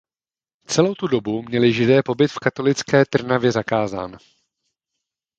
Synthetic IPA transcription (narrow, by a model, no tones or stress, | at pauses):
t͡sɛlo̞wt̪udo̞bumɲɛlɪʒɪdɛːpo̞bɪt̪fkat̪o̞lɪt͡skɛːt̪r̩navjɛzakaːza̰ːn